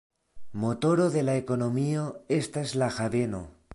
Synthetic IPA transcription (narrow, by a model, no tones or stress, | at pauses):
mot̪oɾoðe̞laeko̞nõmioe̞st̪aezlaxaβeno